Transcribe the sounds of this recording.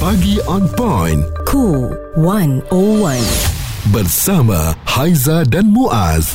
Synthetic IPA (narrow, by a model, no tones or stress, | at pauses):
pɐɡiʔanpajnkʰu | wɐnowɐnbɐɾsamɐ̰hajzaɖɐnmuʔa̰z